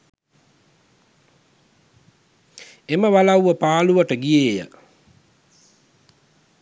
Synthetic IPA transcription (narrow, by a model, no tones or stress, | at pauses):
eməʋalawʋəpaːluʋəʈəɡijeːjə̰